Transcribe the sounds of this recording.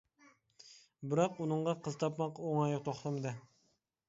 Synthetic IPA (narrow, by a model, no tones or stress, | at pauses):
bɪɾɑqunɨɴʁɑqʰəzt̪ʰɑpmɑqoŋɑjʁt̪ʰoχt̪ɑmɨd̪ɨ